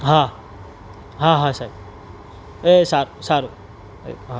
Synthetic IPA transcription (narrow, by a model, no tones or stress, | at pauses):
ɦã | ɦãɦãsa | esaɾosaɾu | ḛɦa